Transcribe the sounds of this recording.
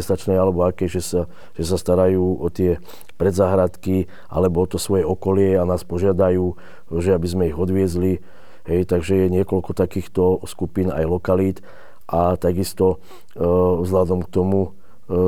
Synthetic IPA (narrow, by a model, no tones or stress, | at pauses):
ɛst̪at͡ʃnɛjalɛbɔakɛʒɛsa | ʒ̥ɛsast̪aɾajuːʔɔt̪ɪɛ | pɾɛd̪zaːɦɾat̪ki | ʔa̰lɛbɔɔt̪ɔsʋɔjɛɔkɔlɪɛanaːspɔʒɪad̪ajuː | ʒɛabizmɛiɣɔd̪ʋɪɛzli | ɦɛjt̪aɡʒɛjɛɲɪɛkɔlkɔt̪akiːxt̪ɔskupiːna̰jlɔkaliːt̪ | ʔat̪aɡist̪ɔ | vzlad̪ɔmk̚t̪ɔmu